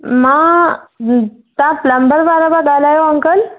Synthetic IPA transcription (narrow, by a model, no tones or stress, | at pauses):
ma | t̪ãpləmbəɾbaɾabaɡalajoəŋkəl